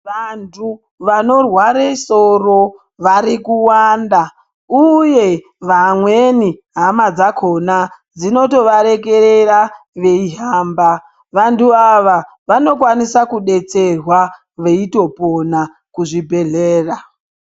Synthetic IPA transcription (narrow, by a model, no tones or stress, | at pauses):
ʋantʰu | ʋano̞rwaɾeso̞ro̞ | ʋaɾikuwaːnda | uje̞ | ʋamweniɦamad͡zakʰo̞na | d͡zino̞to̞ʋaɾe̞ke̞ɾe̞ra | ʋe̞iɦaːmba | ʋantuaʋa | ʋano̞kwanisakuɗe̞t͡se̞rwa | ʋe̞ito̞po̞na | kuʐibʱe̞ɮeːra